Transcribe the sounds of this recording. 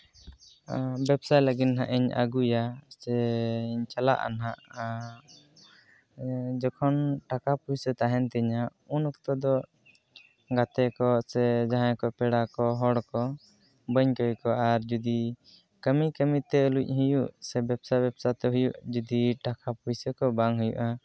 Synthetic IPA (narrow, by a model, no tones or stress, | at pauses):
bɛbsajləɡinɦã̰ʔiɲə̰ɡujasɛiɲt͡ʃala̰ʔa̰naʔ | d͡ʒɔkʰɔnʈakapujsɛt̪aɦɛnt̪ɛɲaunɔkt̪ɔd̪ɔ | ɡat̪ɛkɔsɛd͡ʒaɦãkɔpɛɽakɔɦɔɽkɔ | bəɲkɔjkɔʔaɾd͡ʒud̪i | kəmikəmit̪ɛluc̚ˀɦujuʔsɛbɛbsajbɛbsat̪ɛɦujuʔd͡ʒud̪iʈakapujsəkɔbaŋɦujṵʔa